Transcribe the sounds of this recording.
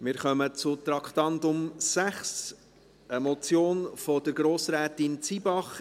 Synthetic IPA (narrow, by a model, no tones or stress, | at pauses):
mɪːɾχœmət͡sʊt̪ɾɑkχtɑndʊmsæχs | ʔəmɔt͡sjoːnfɔdəɾɡɾoːsɾɛːtɪnt͡sibɑχ